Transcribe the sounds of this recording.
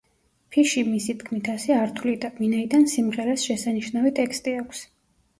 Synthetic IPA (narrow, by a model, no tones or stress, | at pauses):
pʰiʃimisid̪kʰmit̪ʰasɛaɾt̪ʰulid̪avinaid̪ansimʁɛɾasʃɛsaniʃnavit̪ʼɛkʰst̪ʼiakʷʰs